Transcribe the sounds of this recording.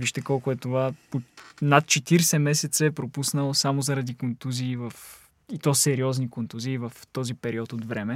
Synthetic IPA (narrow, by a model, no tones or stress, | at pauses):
viʃt̪ɛkɔlˠkʊɛt̪ovaponat̪̚t͡ʃɛt̪iɾsɛmɛsɛt̪səɛpɾopusnəlˠosamozɐɾɐd̪ikont̪uziːvəf | it̪ɔsɛɾiɔznikont̪uziːvɐft̪ɔzipɛɾiɔt̪od̪vɾɛmɛ